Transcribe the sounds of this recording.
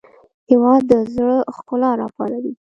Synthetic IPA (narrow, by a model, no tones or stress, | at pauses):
hewɑd̪ːəzɽəxkʊlɑɾɑpɑlawi